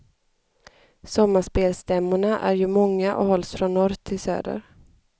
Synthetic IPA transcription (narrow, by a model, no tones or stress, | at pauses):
sɔmːaʂpeːlst̪ɛmːʊɳaʔæ̰ɾjɵmɔŋːaʔɔ̰hɔlːsfɾɔnːɔɾt̪ʰːɪlsø̰ːd̪ə̰ɾ